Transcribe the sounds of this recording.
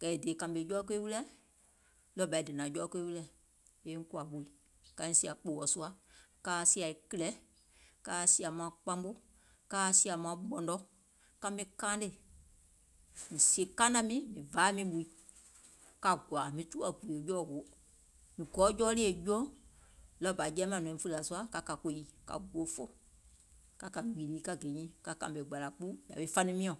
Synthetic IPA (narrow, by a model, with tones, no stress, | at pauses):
kɛ˨e˨deː˨kã˧be˨˦jɔː˦k̬e˦i˦wu˦lɛ˦ | lɔ˧˦ba˨i˦dɨ˨nãː˨˦d͡ʒɔː˦ke˦i˦wu˦lɛ˨ | e˨˦ŋ̩˦ku˦a˨ɓu˨i˨˦ | ka˨˧˦ĩ˨si˦a˨k͡po˨wɔ˨˦su˦a˦kaː˦si˦a˨i˨kə˦˧lɛ˨˦ | kaː˦si˧˦a˨mãː˨˦k͡pã˧˦mɓo˦ | kaː˦si˦˧a˨mãː˦ɓɔ˨ndɔ˦ | kã˧mĩ˧kãː˦nde˨ | mĩ˨si˦e˨kãː˦nã˧˦mĩ˦mĩ˨vaː˨˦mĩ˧˦ɓu˨i˦ | ka˧ɡwa˨mĩ˨tu˦a˨ɡu˨li˨e˨d͡ʒɔː˦˨wo˨˦ | mĩ˨ɡɔː˨˦d͡ʒɔː˦li˦e˨d͡ʒɔ˦lɔ˦˨ba˨d͡ʒɛː˦mã˨nɔ̃˨ĩ˨fu˧ɾa˨su˦a˦ka˨ka˨ko˨ji˨˦ka̰˨ɡ͡bu˨o˦fo˦ | ka˨ka˨i˨liː˨˦ka˧ɡe˨ɲĩ˦ka˧kã̰˨be˨ɡ͡ba˨la˨k͡pu˦ja̰˨ɓe˨˦fa˦nĩ˧˦mĩ˦ã˨